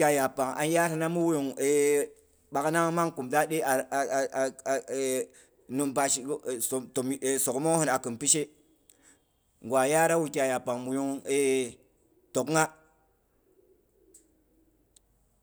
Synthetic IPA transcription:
a˨ja˨pa˨ŋa̰˨n˦ja˦ɾi˨na˦mu˦wu˦ju˨ŋe˨ | ɓa˨kna˦ŋ˦ma˦ŋku˨mda˦ɗe˦a˨ | nu˨mpa˦ʃi˨˦˨o˨to˨me˨so˨kmo˦hu˦na˨kɨ˨npi˦ʃe˦ | ŋɡwa˨ja˦ɾa˦wu˨kʲa˨ja˨pa˨ŋmu˨ju˦ŋe˦ | to˨kŋa˦

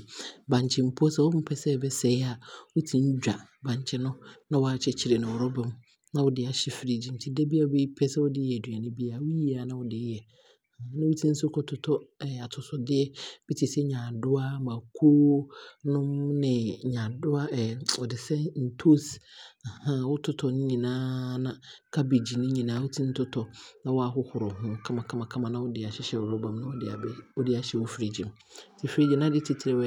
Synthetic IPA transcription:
bã˨ɲ˨t͡ɕʰɪ˨m̩˨pʰo˦sɛ˨wɔ˦ʊ˦m̩˦pʰɛ˦sɛ˦˨bɛ˦sɛ˨ɪ˦a˨wu˦tʰĩ˨n̩˦d͡ʑᶣa˨ | bã˨ɲ˨t͡ɕʰɪ˦nʊ̃˦nã˦wɔ˦a˨t͡ɕʰɪ˦t͡ɕʰɪ˨ɾɪ˨nʊ̃˨wʊ˨ɾɔ˦bɛ˦m | nã˦wʊ˦dɪ˨a˨ɕɪ˨fɪ˨ɾi˨d͡ʑi˨n̩˨tʰi˦dɛ˦bi˦a˨be˦i˦pʰɛ˦sɛ˦wɔ˦dɪ˦ɛ˨dɥa˨nɪ̃˦bi˦a˨wʊ˦ji˦a˨nã˦wʊ˨dɪ˨˦jɛ˨ | ã˦nɪ̃˦wu˦tʰĩ˦n̩˦sʊ˦kʰɔ˦tʰʊ˨tʰɔ˦ɛ˨a˨tʰʊ˨sʊ˦dɪ˦ɛ˦b̥i˦tʰi˨sɛ˦ɲã˨dʊ˦a˦mã˨kʰo˦nʊ̃˦mnɪ̃˨ɲã˨dʊ˦a˦ʔɛ˨ɔ˨dɪ˨sɛ˦n̩˨tʰo˦sa˨hã˦wʊ˦tʰʊ˦tʰɔ˨nʊ̃˦ɲĩ˨nãː˦nã˦kʰa˦be˨d͡ʑi˨nʊ̃˦ɲĩ˨nãː˦wu˦tʰĩ˦n̩˦tʰʊ˦tʰɔ˨nã˦wɔ˦a˨ɦʊ˦hʊ˨ɾʊ˨hʊ̃˦˨˦kʰã˦mã˨kʰã˦mã˨kʰã˦mã˨nã˦wʊ˦dɪ˨a˨ɕɪ˦ɕɛ˨wʊ˨ɾʊ˦bã˨mnã˦wɔ˦dɪ˨a˨˦wɔ˦dɪ˦a˨ɕɛ˨wɔ˦fɾe˨d͡ʑĩ˨m | sɪ˨fɾe˦d͡ʑi˨˦nã˦dɪ˦tʰɪ˦tʰɪ˨ɾɛ˨wɛ˦

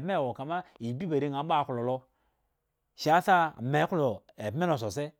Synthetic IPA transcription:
me˦˨wo˨ka˨ma˦i˨bi˦ba˨ɾi˦ŋa˨˦ɓa˦˨ku˨lo˨lo˦ | ʃa˦sa˦˨me˨˦ku˦lo˨ | e˨bme˦no˨s̬o˨se˦

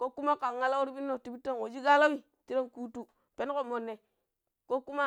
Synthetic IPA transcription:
ko˦ku˦ma˦ka˨ŋːa˦la˦u˦ɾbi˦nːo˦˨ti˨bi˦tːo˦˨no˨d͡ʒi˦ɡa˦la˦mi˨ | ti˦ɾo˦nku˦tu˦ | pe˦n˦ko˨mo˨nːe˨ | ko˦ku˦ma˦

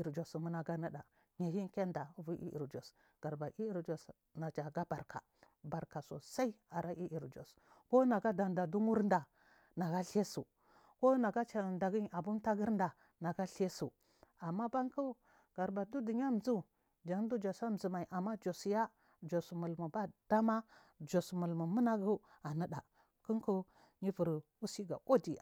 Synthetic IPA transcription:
i˨ɾd͡ʒo˨su˨mu˦na˨ɡa˦na˦ɗa˨ | ɲa˨hi˦nke˦nda˨˦vu˦ʔḭ˦ḭ˨ɾd͡ʒo˨s | ɡ̥a˨ɾba˨ʔi˦i˦ɾd͡ʒo˨s | na˨t͡ʃa˨ɡa˦ba˨ɾka̰˨ | ba˨ɾka˨so̰˨sa˦i˦a˨ɾʔa˦ʔi˦ʔi˨ɾd͡ʒo̰˨s | ko˦na˨ɡa˦da˨nda˨du˦mu˦ɾnda˨ | na˨ɡa˦ɬe˦sṵ˨ | ko˦na˨ɡa˦t͡ʃa˨nda˨ɡi˦n˨a˨bu˦nta˦ɡi˦ɾnda˨ | na˨ɡa˦ɬe˦su˨ | a˨mːa˦ba˦ŋku˦ | ɡ̥a˨ɾba˨du˦di˨ɲa˦m̩˨zu˦ | d͡ʒa˨ŋ˦du˦d͡ʒo˨sa˦m̩˨zu˨ma˨i˨ʔa˨mːa˦d͡ʒo˨sja˦ | d͡ʒo˨smu˨lmu˨ba˦d̥a˦ma˦ | d͡ʒo˨smu˨lmu˨mu˦na˦ɡu˦ | a˨nə˦da˨ | ku˦ŋku˦ | ɲi˦vu˨ɾ | u˦si˦ɡa̰˨ko˦di˨

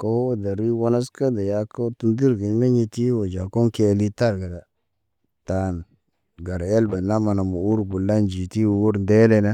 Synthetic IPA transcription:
ko˦o˦da˨ɾi˦wo˦na˦ska˦da˨ja˨˦ko˦tu˦ndi˦ɾɡe˨ɲme˦ɲi˦ti˦wo˨d͡ʒa˨ko˦ŋke˦li˦ta˦ɾɡa˨da˨ | ta˨n | ɡa˨ɾa˨e˦lba˨na˦ma˨na˨mo˨u˦ɾbu˨lːa˦nd͡ʒi˨ti˦wu˨u˦ɾnde˦le˦na˦

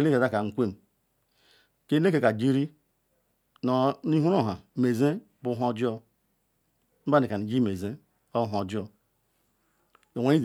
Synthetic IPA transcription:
e˦le˦ke˨za˦ka˨ŋ̩˨kʷe˦˨m˨ | ke˦le˦ke˨ka˨d͡ʒi˦ɾi˦ | no˨ni˦ɦu˦ɾo˦ɦa˨me˨ze˦ | bu˦ɦo˦d͡ʒi˦o˦ | m̩˦ba˦ni˨ka˨ni˨d͡ʒi˦me˨ze˦ | o˦ɦo˨d͡ʒi˦o˦ | o˨wa˦i˦

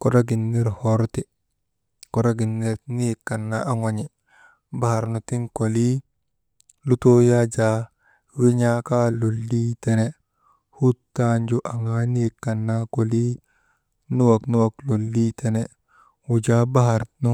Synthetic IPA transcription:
ko˨ɾa˦ɡi˨nːe˦ɾho˦ɾti˨ | ko˨ɾa˦ɡi˨nːe˦ɾni˦˨kːa˨nːa˦ʔa˦ŋo˨ɲi˨ | ba˦ha˨ɾnu˨ti˦nko˨li˦ | lu˦to˦ja˦d͡ʒa˨ | wi˦ɲa˦ka˦lo˨lːi˦tɛ˦ne˦ | hu˦tːa˦nd͡ʒu˦ʔa˨ŋa˦ni˦˨kːa˨nːa˦ko˨li˦ | nu˦wa˨knu˦wa˨klo˨lːi˦te˨ne˦ | wu˨d͡ʒa˦ba˦ɦa˨ɾnu˦

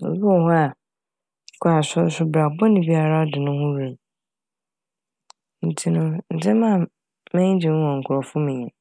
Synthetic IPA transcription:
bu˦ɔ˦˨hʊ̃˦a˨˦ | kʰʊ˦a˨sʊ˦sʊ˦bɾa˨bɔ˦nĩ˨bi˦a˨ɾa˦ɔ˦dɪ˨nʊ̃˦hʊ̃˦ɾẽ˨m | n̩˨tʰi˦nʊ̃˦n̩˨tʰɪ̃˦mã˦˨ | mɛ̃˦ɲ˦d͡ʑɪ˨ñ˦wɔ̃˨ŋ̩˨kʰʊ˨ɾɔ˨fʊ̃˦mĩ˨ɛ̃˨

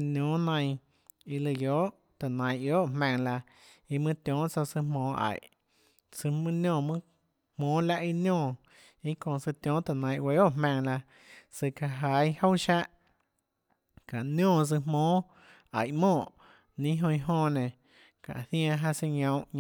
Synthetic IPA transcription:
njõː˨˦nã˧j̃ | i˧lɨ˧joː˨˦ʔ | t̪a˨nã˨j̃ʔjoː˦ʔhmɛ̃˧ŋla˧ | i˧mɨ̃˦t̪ʲjõː˨˦ʔt͡so˧sɨ˧mõː˨˦ʔa̰˨ʔ | sɨ˧mɨ̃˦njõː˧˨mɨ̃˦ | hmõː˨˦la˧ʔi˧njõː˧˨ | i˦kõ˧˨sɨ˧t̪jõː˨˦t̪a˨nã˨˧j̃we˧˦o˦ʔmẽ˧ŋla˧ | sɨ˧ka˧ɦa˨˧˦jho˦wʃa˦ʔ | ka˨ʔnjõː˧˨s̬ɨ̥˧mõː˨˦ | a̰˨ʔmõː˧˨ʔ | nĩ˦ɦõ˧i˧ɦõː˧˨nẽ˨ | kã̰˨ʔθj̃ã˧ɦa˧sɨ˧ɲõ˧w̃ɲ

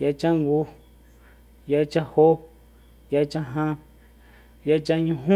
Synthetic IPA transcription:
ja˧t͡ʃã˦ŋɡu˧ | ja˧t͡ʃa˦ho˦ | ja˧t͡ʃã˦ɦã˧ | ja˧t͡ʃa˧ɲũ˧ɦũ˦

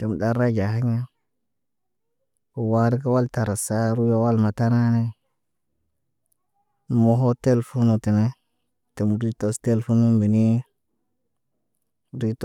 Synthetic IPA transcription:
te˨m˨ɗa˦ɾa˦d͡ʒa˨ha˦ɲa˦ | ko˨wa˦ɾi˦ka˦wa˦lta˨ɾa˨sa˦ɾu˦ja˦wa˦lma˨ta˦na˦ne˦ | mo˦ɦo˦te˦lfu˦nu˨ti˨ne˦ | te˨mu˨ɾi˦to˦ste˦lfu˦nu˦mbi˨ni˦ | ɾi˦t

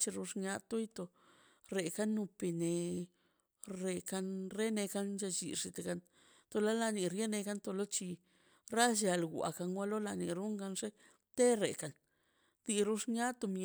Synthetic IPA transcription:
t͡ʃi˧ɾu˧ʂɲa˦t̪u˦jt̪o˧ | ɾe˨ka˦nːu˧pi˧ne˧ | ɾe˧ka˧nɾe˦ne˧ka˦nt͡ʃa˧t͡ʃḭ˨ʂi˧t̪e˨ɡa˧n | t̪o˧la˦la˧ni˨ɾje˦ne˧ka˦nt̪o˧lo˦t͡ʃi˧ | ɾa˦ʃa˧lɡʷa̰˨ka˧nwa˦lo˦la˧ni˨ɾu˦ŋɡa˧nʐe˦ | t̪e˦ɾḛ˨ka˨n | d̪i˧ɾu˦ʂɲa˦t̪o˧m˧

